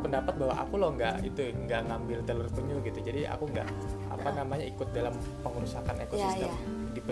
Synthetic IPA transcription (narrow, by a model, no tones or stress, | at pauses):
pəndapat̪̚bawa̰ʔa̰kulɔhŋɡa̰ʔḭt̪uŋɡaʔŋambɪlt̪ələrp̪əɲuɡit̪ud͡ʒadiʔa̰kuŋɡa̰ʔ | a̰panamaɲaikʊt̪̚dalam | pəŋəɾusakanekosisəm | dipə